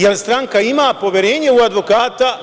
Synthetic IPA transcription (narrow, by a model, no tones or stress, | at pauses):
jelst̪ɾaŋkaimaːpo̞ʋjeɾeːɲeuad̪ʋo̞kaːt̪a